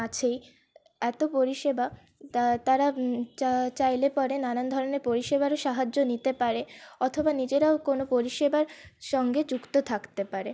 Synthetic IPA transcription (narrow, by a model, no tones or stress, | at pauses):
at͡ɕʰej | ɛt̪opoɾiʃeba | t̪aɾat͡ɕat͡ɕajlepɔɾenanand̪ʱɔɾoneɾpoɾiʃebaɾoʃaɦad͡ʑːonit̪epaɾeɔt̪ʰobanid͡ʑeɾaokonopoɾiʃebaɾʃɔŋɡed͡ʑukt̪ot̪ʰakt̪epaɾe